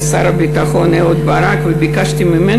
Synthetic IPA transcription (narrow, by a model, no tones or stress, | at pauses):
saɾabit̪axoneod̪baɾakvebikaʃt̪imeme